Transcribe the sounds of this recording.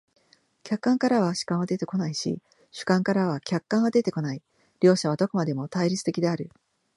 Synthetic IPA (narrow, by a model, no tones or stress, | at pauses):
kʲakːãŋkaɾaβ̞aɕɨ̥kãɰ̃βad̪e̞t̪e̞ko̞naiɕḭ | ɕɨ̥kãŋkaɾaβakʲakːãɰ̃βad̪e̞t̪e̞ko̞nai | ɾʲo̞ːɕaβ̞ad̪o̞kɯ̟mad̪e̞mo̞t̪aiɾʲit͡sɨ̥t̪e̞kʲid̪e̞aɾɯ̟